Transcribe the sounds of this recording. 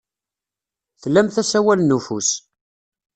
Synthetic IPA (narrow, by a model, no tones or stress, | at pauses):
θlːæmθæsæwælnːufṵs